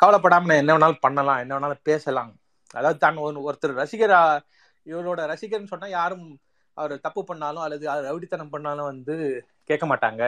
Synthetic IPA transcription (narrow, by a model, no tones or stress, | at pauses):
kɐʋɐlɐp̬ːɐɽaːmɐnɛ̃ɛnːɐʋɐnaːlpɐɳːɐlãːɛnːɐʋɐnaːlpeːsɐlãː | ʔɐ̰ðaːʋɐðɯt̪aːnɔnɯɔɾɯt̪ːɯɾɾɐsɪɣɐɾa | ɪʋɐɾoːɽɐɾɐsɪɣɐɾnɯsɔnːaːjaːɾɯm | ʔɐʋɐɾt̪ɐpːɯpɐɳːaːlʊ̃ɐlːɐðɯɐʋɐɾɐʋɪɽɪt̪ːɐnɐmpɐɳːaːlʊ̃ʋɐnd̪ɯ | keːʈkɐmaːʈːa̰ːŋɡɐ